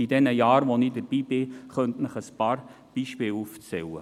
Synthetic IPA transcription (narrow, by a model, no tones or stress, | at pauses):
idɛnəjɑːɾʋonidəɾb̥iːb̥ɪχœnt̪nəχəspɑːɾ | b̥iːʃpɪːluft͡sɛwə̰